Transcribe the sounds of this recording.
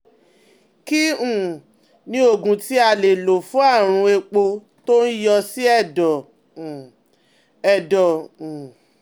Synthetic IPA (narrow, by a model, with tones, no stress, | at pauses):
ki˦ũ˦˨ | nĩ˦o˦˨ɡũ˧ti˦a˧le˨lo˨fũ˦a˦˨ɾ̃ũ˧e˧k͡po˧ | to˦n̩˦jɔ˧si˦ɛ˦˨dɔ˨ | ɛ˨dɔ˨ũ˨